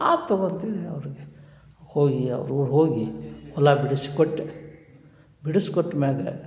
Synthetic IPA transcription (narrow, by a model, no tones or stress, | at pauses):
aːt̪ːoɡont̪id̪eɐ̰ʋɾiɡe | hoːɡiɐ̰ʋɾuːɽɦoːɡiɔlːabiɽusi̥koʈːe | biɽusi̥koʈːmeɡɐ̰